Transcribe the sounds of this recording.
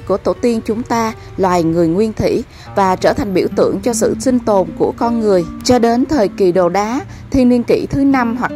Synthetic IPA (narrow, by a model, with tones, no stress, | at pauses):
ku˧˩ət̪o˧˩t̪i˧ənt͡ɕʊ˨˦ŋ͡mt̪aː˧ | lwaː˨˩jŋɨ˨˩əjŋwi˧ənt̪ʰḭ˧˥˨ | vaː˨˩t͡ɕəː˧˩t̪ʰa˨˩jŋ̟ɓi˧˩əwt̪ɨ̰˧˩əŋt͡ɕɔ˧sɨ̰˧˨sï˧ŋ̟t̪o˨˩nku˧˩əkɔ˧nŋɨ˨˩əjt͡ɕɔ˧ɗe˨˦nt̪ʰəː˨˩jki˨˩ɗo˨˩ɗaː˨˦ | t̪ʰi˧əni˧ənkḭ˧˩˨t̪ʰɨ˨˦na˧mɦwa˨˩k̚